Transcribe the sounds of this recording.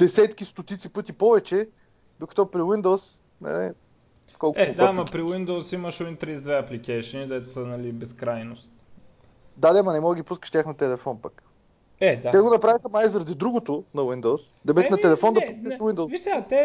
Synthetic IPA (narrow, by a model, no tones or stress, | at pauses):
d̪̥ɛsɛt̪kist̪ot̪it̪sipɤt̪ipɔvɛt͡ʃɛ | d̪okɐ̥t̪ɔpɾiwind̪ows | nɛ̰nɛ̰ | kɔlˠkɛd̪amɐpɾiwind̪owsimɐʃwint̪ɾizd̪vɛɐplikɛjʃənid̪ɛt̪o̥sənɐlibɛskɾajnost̪ | d̪ad̪ɛmɐnɛmɔd̪əɡʲipuskəʃt̪ʲjaxnət̪ɛlɛfɔnpak | ɛd̪at̪ɛɡonɐpɾavixɐmajzɾɐd̪id̪ɾuɡot̪oʊnɐwind̪ows | d̪ɐbɛt̪nɐɛlɛfɔnd̪ɐpuskɐʃwind̪ot̪ɛ